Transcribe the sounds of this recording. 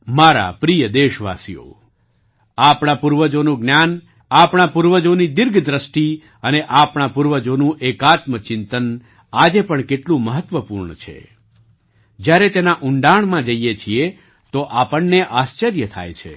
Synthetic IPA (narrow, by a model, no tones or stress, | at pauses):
maɾa̰pɾijəd̪eʃʋa̰sijo̰ | apɳapuɾʋəd͡ʒonũɡnjan | apɳapuɾʋəd͡ʒonid̪ɪɾɡʱd̪ɾəsʈi | əneʔapɳ̃apuɾʋəd͡ʒonũʔekat̪mət͡ʃɪnt̪ən | ad͡ʒepəɳkeʈlũməɦət̪ʋəpuɾɳət͡ʃʰḛ | d͡ʒjaɾet̪enaʔʊɳɖaɳmãd͡ʒəijet͡ʃʰie | t̪oʔapəɳːeʔast͡ʃəɾjət̪ʰa̰jt͡ʃʰḛ